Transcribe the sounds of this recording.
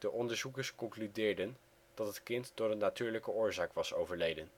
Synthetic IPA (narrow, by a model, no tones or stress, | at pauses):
d̥əʔɔndəɹzukəɹskɔŋklydɪːɹdən | d̥ɑtɦətkɪntd̥ʊːrənːatyːɹləkəʊːɹzaːkʋɑso̰wvəɹlejdən